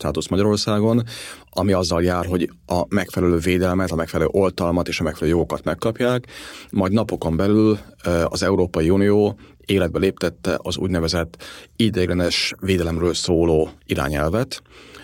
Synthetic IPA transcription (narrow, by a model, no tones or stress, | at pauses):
ʃt̪aːt̪usmɒɟɒɾo̞rsaːɡo̞n | ɒmiɒzːɒljaːrɦo̞ɟ | ɒmɛkfɛlɛløːveːd̪ɛlmɛt̪ɒmɛkfɛlɛlø̰ːʔo̞lt̪ɒlmɒt̪eːʃɒmɛkfɛløːjo̞ɡo̞kɒt̪mɛkːɒpjaːkmɒjɟd̪nɒpo̞ko̞mbɛlylɒ̰zɛuɾoːpɒjiunijoː | eːlɛd̪̚bɛleːpt̪ɛt̪ːɛ̰ʔɒzṵːɟnɛvɛzɛt̪ːid̪eːɡlɛnɛʃveːd̪ɛlɛmrøːlsoːloːiɾa̰ːɲɛlvɛt̪